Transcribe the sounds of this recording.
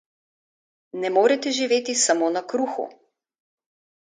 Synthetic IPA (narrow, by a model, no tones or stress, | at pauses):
nɛmoːɾɛt̪ɛʒiʋeːt̪isamoːnakɾuːxṵ